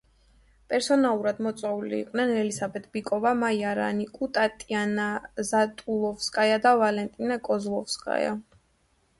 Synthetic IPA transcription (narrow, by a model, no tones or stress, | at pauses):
pʼɛɾsɔnalˠuɾad̪mɔt̪sʼwaulḭːqʼnɛnɛlisabɛt̪ʰʼbikʼɔvamaiaɾa̰nikʼut̪ʼat̪ʼianazat̪ʼulˠɔfskʼajad̪avalɛnt̪ʼinakʼɔzlˠɔfskʼa̰ja̰